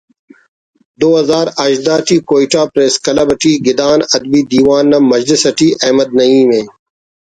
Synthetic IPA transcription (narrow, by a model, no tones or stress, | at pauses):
d̪oːɦɐzaːɾɐʃd̪aːʈiːkoːiʈaːpɾeːskɐlɐbɐʈiːɡɪd̪aːnɐd̪biːd̪iːwaːnːɐmɐd͡ʑlisɐʈiːʔɐːmɐd̪̚nɐiːmẽː